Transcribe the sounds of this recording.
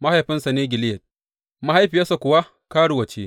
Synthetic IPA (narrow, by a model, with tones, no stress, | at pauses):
ma˦ha˨jɸɪ˦nsa˨neː˦ɡʲɪ˨lɪ˦jɐ˨t̚ | ma˦ha˦jɸiː˨a˦sa˨kʷʊ˨wa˦ | kaː˦ɽu˨wɐ˨t͡ʃeː˦